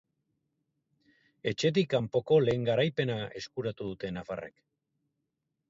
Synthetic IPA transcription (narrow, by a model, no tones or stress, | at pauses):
e̞t͡ʃe̞t̪̬ikampo̞ko̞le̞ːŋɡaɾajpe̞nae̞skuɾat̪uðut̪e̞nafa̰rʔe̞̰k